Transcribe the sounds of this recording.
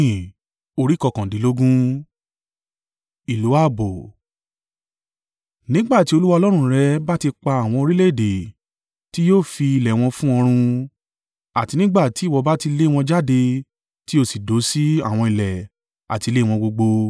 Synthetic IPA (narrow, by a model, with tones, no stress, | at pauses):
o˧ɾi˦kɔ˧kã˨di˨˦lo˦ɡũ˦ | i˨lo˨˦a˦˨bo˨ | nĩ˦ɡ͡ba˦˨ti˦o˧lu˦wa˧ɔ˧lɔ˦ɾ̃ũ˧ɾɛ˨˦ba˦ti˧k͡pa˧a˨w̃ɔ̃˧o˧ɾi˦le˦˨de˨ | ti˦joː˦˨fi˧i˧lɛ˨w̃ɔ̃˧fũ˦ɔ˧ɾ̃ũ˧ | a˨ti˧nĩ˦ɡ͡ba˦˨ti˨˦˨wɔ˨˧ba˦ti˧le˦˨w̃ɔ̃˧d͡ʒa˦de˧ | ti˦o˦˨si˨do˨˦si˦a˦˨w̃ɔ̃˧i˨lɛ˨ | a̰˨ti˧le˦w̃ɔ̃˧ɡ͡bo˧ɡ͡bo˧